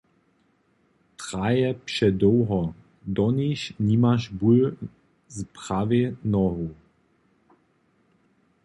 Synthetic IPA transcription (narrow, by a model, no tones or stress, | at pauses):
tʁajɛpʃɛdɔwɦɔ | d̪ɔniɕnimaʃbul | zpʁavenɔɦu